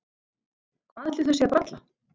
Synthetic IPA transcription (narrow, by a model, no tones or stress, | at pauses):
kʰvaːðɛht̪ɪθɛsːɛapɾat̪la